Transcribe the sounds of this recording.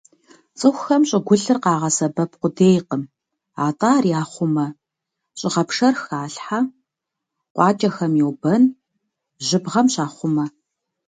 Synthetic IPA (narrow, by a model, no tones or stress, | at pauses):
t͡sʼɨxʷxɐmɕʼɪɡʷʊɬɨrqɑːʁɐsɐbɐp̚qʷʊdeːjqəm | a̰ːtʼaːrjaːχʷʊmɐ | ɕʼɪʁɐpʂɐrxaːɬħa | qʷɑːt͡ʃʼɐxɐmjɛwbɐn | ʑɪbʁɐmɕaːχʷʊmɐ